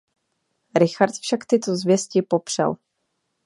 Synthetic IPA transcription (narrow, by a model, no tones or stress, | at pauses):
ɾɪxaɾt̪fʃakt̪ɪt̪ozvjɛscɪpo̞pr̝̥ɛ̰l